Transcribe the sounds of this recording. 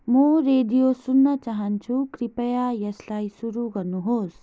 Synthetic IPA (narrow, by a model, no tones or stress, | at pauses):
mʌɾed̪ijosunːʌt͡saɦʌnt͡sʰukɾipʌjajʌslajsuɾuɡʌɾnuɦos